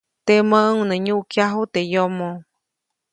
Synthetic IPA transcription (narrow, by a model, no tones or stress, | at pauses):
t̪eməʔəŋnəɲuʔkjaɦut̪ejomo